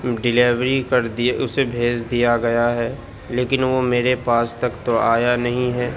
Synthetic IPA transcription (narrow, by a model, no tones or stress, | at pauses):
ɖɪleːʋɾikɐɾd̪iʊsebʱeːd͡ʒd̪ijaɡɐjaɦɛː | leːkɪnʋomeːɾepaːst̪ɐkt̪oaːjanɐɦĩɦɛː